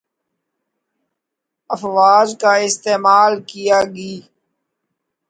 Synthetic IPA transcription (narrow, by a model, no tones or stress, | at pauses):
əfʋaːzkaːɪst̪eːmaːlkijaːɡiː